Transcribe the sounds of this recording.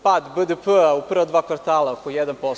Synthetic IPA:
pad̪bəd̪əpəauprɾvad̪vakʋaɾt̪aːlˠakoijɛd̪anpo

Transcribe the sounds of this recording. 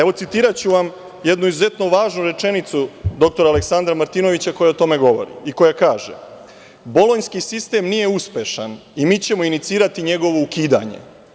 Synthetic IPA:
e̞ʋo̞t̪sit̪iːɾat͡ɕuʋam | je̞d̪nuizuze̞t̪noʋaːʒnuɾe̞t͡ʃe̞nit̪sud̪o̞k̚t̪o̞ɾaːleksand̪ɾamaɾt̪ino̞ʋit͡ɕako̞jaot̪o̞me̞ɡo̞ʋo̞̰ɾḭiko̞jakaːʒḛ | bo̞loɲskisist̪e̞mnije̞uspe̞ʃanimiːt͡ɕe̞mo̞init̪siːɾat̪iɲe̞ɡo̞ʋo̞ukiːd̪a̰ɲe̞̰

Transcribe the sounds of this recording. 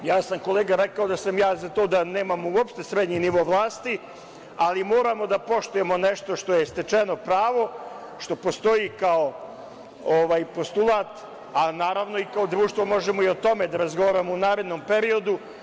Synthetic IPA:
jaːsamko̞leːɡaɾekao̞d̪asamjaːzat̪o̞ːd̪ane̞ːmamouopʃt̪e̞sɾed̪ɲiniʋo̞ːʋlˠaːst̪i | alimo̞ːɾamo̞d̪apo̞ʃt̪uje̞mo̞neʃt̪oʃt̪o̞je̞st̪et͡ʃe̞no̞pɾaːʋo̞ | ʃt̪o̞po̞st̪o̞ikao | oʋaːjpo̞st̪ulˠaːt̪ | anaːɾaʋno̞ikao̞d̪ɾuːʃt̪ʋo̞mo̞ʒemo̞io̞t̪o̞me̞d̪aɾazɡo̞ʋaːɾamounaːɾe̞d̪no̞mpe̞ɾio̞d̪u

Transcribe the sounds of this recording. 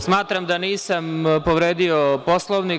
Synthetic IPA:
smaːt̪ɾamd̪aniːsampoʋɾeːd̪iopo̞slˠoʋni

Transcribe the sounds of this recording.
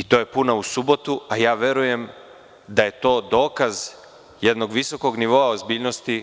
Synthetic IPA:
it̪o̞ːje̞punausubo̞t̪uajaːʋje̞ɾuje̞m | d̪aje̞t̪o̞ːd̪o̞ːkaz | jed̪no̞ɡʋiso̞ko̞ɡniʋo̞aozbiːʎno̞st̪i

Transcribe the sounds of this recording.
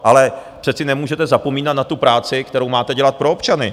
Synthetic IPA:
ʔalɛpr̥ɛt̪t͡sɪnɛmuːʒɛt̪ɛzapo̞miːnat̪̚nat̪upɾaːt͡sɪkt̪ɛɾo̞wmaːt̪ɛɟɛlat̪̚pɾo̞opt͡ʃanɪ

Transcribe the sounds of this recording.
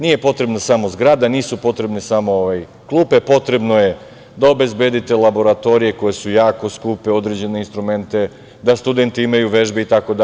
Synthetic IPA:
niːje̞po̞t̪ɾe̞bnasamo̞zɡɾaːd̪aniːsupo̞t̪ɾe̞bnesamo̞oʋaj | klˠuːpe̞po̞t̪ɾe̞bno̞je | d̪aobe̞zbjed̪it̪elabo̞ɾat̪o̞ɾije̞ko̞je̞sujaːko̞skuːpe̞o̞d̪ɾed͡ʑe̞ne̞inst̪ɾume̞nt̪e̞ | d̪ast̪ud̪e̞nt̪iimajuʋe̞ʒbeit̪ako̞d̪a

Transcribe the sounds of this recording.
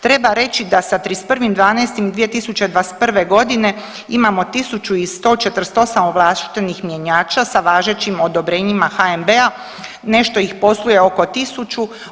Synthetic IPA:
t̪ɾe̞baɾe̞t͡ʃid̪asat̪ɾispr̩ʋimd̪ʋaːnɛːst̪imd̪ʋije̞t̪isut͡ɕe̞d̪ʋaest̪̚pr̩ʋe̞ɡo̞d̪ine̞ | imamo̞t̪isut͡ʃuist̪o̞ːt͡ʃet̪ɾ̩st̪o̞samoʋlˠast̪i̥t̪enixmje̞ɲaːt͡ʃasaʋaːʒet͡ɕimo̞d̪o̞bɾe̞ːɲimaxaembea | ne̞ʃt̪o̞ixpo̞slˠuje̞oko̞t̪isut͡ʃu

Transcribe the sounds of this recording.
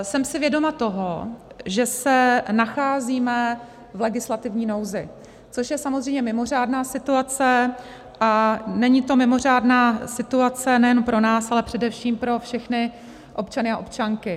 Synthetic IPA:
sɛmsɪvjɛdo̞mat̪o̞ɦoʒɛsɛnaxaːziːmɛ | vlɛɡɪslat̪ɪvɲiːno̞wzɪ | t͡so̞ʃjɛsamozr̝ɛjmɲɛmɪmo̞r̝aːdnaːsɪt̪uat͡sɛ | ʔanɛɲɪt̪o̞mɪmo̞r̝aːdnaːsɪt̪uat͡sɛnɛjɛnompɾo̞naːsalɛpr̝̥ɛdɛfʃiːmpɾo̞fʃɛxnɪ | ʔo̞pt͡ʃanɪaʔo̞p̚t͡ʃaŋkɪ

